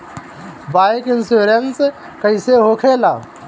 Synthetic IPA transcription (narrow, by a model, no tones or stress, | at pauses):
bajkɪnsuɾens | kəjseɦokʰela